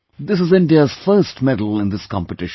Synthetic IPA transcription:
d̪ɪs̬ɨzɪ̃nɖiəz̥fəɾsʈmɛdəl̩ˠɪ̃nd̪ɪskɑ̰̃mpəʈɪʃ

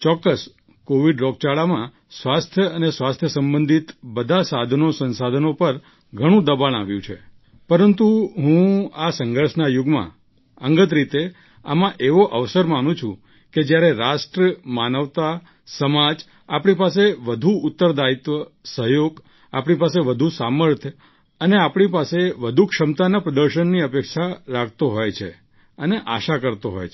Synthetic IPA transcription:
t͡ʃɔkːəs | koʋiɖɾɔk̚t͡ʃaɭamã | sʋast̪ʰjəənesʋast̪ʰjəsəmbənd̪ʱit̪bəd̪ʱasad̪ʱənosə̃nsad̪ʱənopəɾ | ɡʱəɽ̃ũd̪əbaña̰ʋjṵ̃t͡ʃʰḛ | pəɾənt̪uɦũasə̃ŋɡʱəɾʃnajʊɡmã̰ | əŋɡət̪ɾit̪e | a̰mãʔeʋoʔəʋsəɾmanũt͡ʃʰṵ̃ | ked͡ʒjaɾeɾasʈɾəmanəʋt̪a | səmad͡ʒ | apɳipas̬eʋəd̪ʱuʊt̪ːəɾd̪ait̪ʋəsəɦjoɡ | a̰pɳ̃ipaseʋəd̪ʱusaməɾt̪ʰ | əneapɳ̃ipaseʋəd̪ʱukʃəmt̪anapɾəd̪əɾʃənːiəpekʃaɾakt̪oɦojt͡ʃʰe | əneʔa̰ʃakəɾt̪oɦo̰jt͡ʃʰ

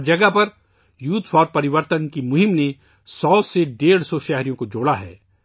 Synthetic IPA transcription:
d͡ʒɐɡəpɐɾ | juːt̪fʰɔːɾpɐɾɪʋəɾt̪ənkimʊɦɪmne | sɔːseɖeːɽ̤sɔʃɛɦɾijõkod͡ʒoːɽaɦɛ̰ː

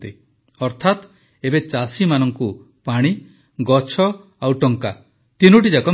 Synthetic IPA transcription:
t̪i | ɔɾt̪ʰat̪ | ebet͡ʃasimanɔŋku | paɽ̃i | ɡɔt͡ʃʰɔ | awʈɔŋka | t̪inuʈ̬id͡ʒakɔ

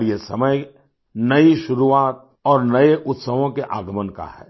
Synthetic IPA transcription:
ɾjesɐməj | nɐiʃʊɾuaːt̪̚ | ɔːɾnɐeʔʊt̪səʋõkeʔaːɡəmənka̰ɦɛ̰ː

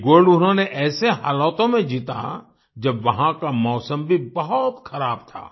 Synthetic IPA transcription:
ɡoːɾɖʊnɦõneʔɛːseɦa̰ːlɔːt̪õmẽd͡ʒiːt̪a̰ | d͡ʒɐbʋɐɦãkamɔːsəmbʱibɐɦʊt̪xɐɾaːb̚t̪ʰa̰ː

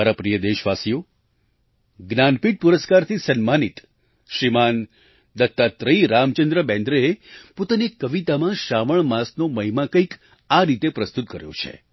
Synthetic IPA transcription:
aɾapɾijəd̪eʃʋasijo | ɡnanpiʈ̚puɾəskaɾt̪ʰisənmanit̪ | ʃɾiman | d̪ət̪ːat̪ɾəiɾamt͡ʃənd̪ɾəbɛ̃nd̪ɾəepot̪anekːəʋit̪amãʃaʋəɳmãsnoməɦimãkəik | aɾit̪epɾəst̪ut̪kəɾjo̰t͡ʃʰḛ

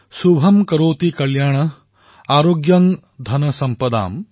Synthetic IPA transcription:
subʱɐmkɐɾoːt̪ikɐljaːɳɐ | aːɾoːɡjɐŋ | d̪ʱɐnɐsɐmpɐd̪a̰ːm

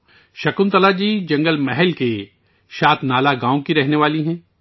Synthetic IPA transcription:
ʃɐkʊnt̪ɐlad͡ʒiːd͡ʒɐ̃ŋɡəlmɛɦɛlke | ʃaːt̪ʰnaːlaɡãːõkiɾɛɦneʋaːliɦɛ̃ː

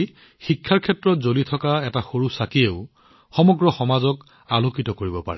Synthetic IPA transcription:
xikʰːaɹkʰɛtɹɔtzolitʰɔkaɛtaxoɹusakieʊ | xɔmɔɡɹɔxɔmazɔk | alokitɔkoɹibɔpa̰ɹɛ

